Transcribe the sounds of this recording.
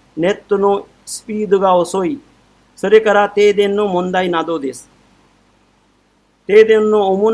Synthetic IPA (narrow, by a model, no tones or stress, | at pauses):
net̪ːʊnõː | spiːd̪ʊɡaːosoːiː | səɾeːkəɾaːt̪eːd̪enːõːmõnd̪aːiːnãːd̪oːd̪eːs | t̪eːd̪enːõːʊmun